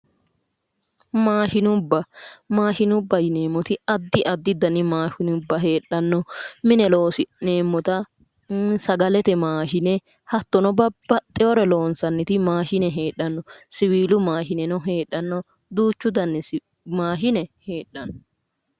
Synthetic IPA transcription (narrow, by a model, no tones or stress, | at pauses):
maːʃɪnʊbːɐmaːʃɪnʊbːɐjɪneːmːɔt̪ɪɐd̪ːɪʔɐd̪ːɪd̪ɐnːɪmaːʃɪnʊbːɐɦeːᶑːɐnːɔmɪnɛlo̞ːsɪneːmːɔt̪ɐ | sɐɡɐlɛt̪ɛmaːʃɪnɛ | hɐt̪ːɔnɔbɐbːɐt̪ʼːɛwɔɾɛlo̞ːnsɐnːɪt̪ɪmaːʃɪnɛɦeːᶑɐnːɔsɪwiːlʊmaːʃɪnɛnɔɦeːᶑːɐnːɔ | d̪uːt͡ʃːʊd̪ɐnːɛ | maːʃɪnɛhe̞ːᶑːɐnɔ